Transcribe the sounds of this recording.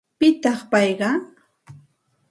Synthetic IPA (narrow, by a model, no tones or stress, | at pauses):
pɪt̪ɑχpɑjɢɑ